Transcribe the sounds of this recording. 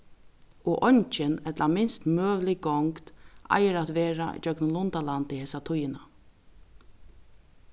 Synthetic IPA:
ɔʔɔɲt͡ʃɪnɛt̪lamɪnst̪møːʋlɪɡɔŋkt̪ʔa̰jɪɾat̪ʋeːɾaḭd͡ʒœknʊlʊnt̪alant̪ɪheːsat̪ʰʊjːɪna

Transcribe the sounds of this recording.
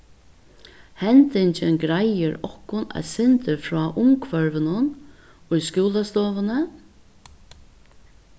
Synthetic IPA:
hɛnt̪ɪnt͡ʃʰɪnɡɾajɪɾɔhkːʊnæ̰ðsɪnt̪ɪfɾɔːʔʊmkʰvœɹvɪnʊn | ʊjskuːlast̪ɔːvʊnə

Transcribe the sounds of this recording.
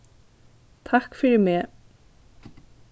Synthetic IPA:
t̪ʰɑkfɔɖʉːmeː

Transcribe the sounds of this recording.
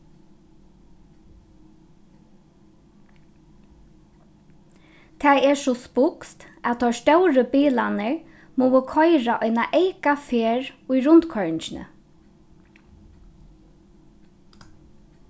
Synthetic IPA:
t̪ʰaːɛsɔspʊkst̪at̪ʰɔɹst̪œwɾəbiːlanəɹ | muːwəkʰɔjɾaʔɔjnaʔɛjkafeːɹʊjɾʊnt̪kʰɔɹt͡ʃɪnə̰

